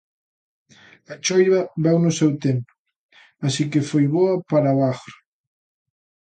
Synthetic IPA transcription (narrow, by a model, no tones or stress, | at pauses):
at͡ʃɔjβɐβɛwnʊsɛwt̪empʊ | asikefojβoɐpaɾaβaxɾ